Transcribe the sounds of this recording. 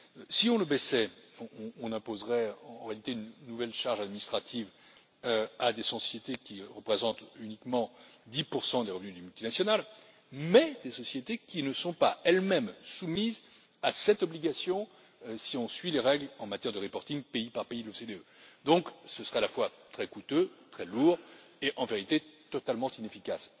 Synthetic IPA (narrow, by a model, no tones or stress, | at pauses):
siɔ̃ləbɛsɛɔ̃ɔ̃ːnɛ̃pozʁɛɑ̃ʁealit̪eynːuvɛlʃaʁʒad̪minist̪χat̪ʰiv | ad̪esɔsjet̪ekʲiʁəpχezɑ̃t̪ynikmɑ̃d̪ipuʁsɑ̃d̪eʁəvnyd̪ymylt̪inasjɔnal | mɛd̪esɔsjet̪ekʲinəsɔ̃paɛlmɛmsumiz | asɛt̪ɔbliɡasjɔ̃ | siɔ̃sɥileʁɛɡlɑ̃mat̪jɛʁd̪əʁipɔʁt̪ĩŋɡpeipaʁpeid̪losed̪eød̪ɔ̃ksəsəʁɛalafwat̪χɛkut̪øt̪χɛluʁeʔɑ̃veʁit̪et̪ɔt̪almɑ̃t̪inefikas